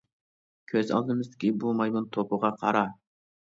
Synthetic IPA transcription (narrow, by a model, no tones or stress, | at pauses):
kʲʰøzɑ̰lˠd̪ɨmɨzd̪ɪkʲibumɑjmunt̪ʰopʰʊʁɑqʰɑ̰ɾɑ